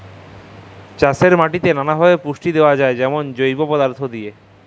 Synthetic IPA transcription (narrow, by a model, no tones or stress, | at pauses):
t͡ɕaseɾmaʈit̪enanabʱabepuʃʈid̪eoad͡ʑaed͡ʑɛmond͡ʑojbopɔd̪aɾt̪ʰod̪ie